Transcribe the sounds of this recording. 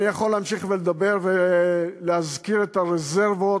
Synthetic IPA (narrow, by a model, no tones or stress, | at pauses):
ijaχolːeamʃiχveled̪abe̞ʁveleazkiʁet̪aʁezeʁvo